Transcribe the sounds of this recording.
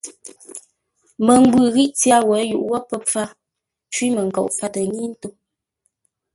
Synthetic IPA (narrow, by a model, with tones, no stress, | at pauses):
mə˨ŋ̩˦ɡwʉ˨ɣi˦ʔt͡sja˦wɛ˨˦jṵ˨ʔwɔ˦pə˦p͡fa˦ | t͡ʃwi˦mə˨ŋ̩˨kɔ̰˨ʔfa˦tə˨ɲi˦n̩˦to˦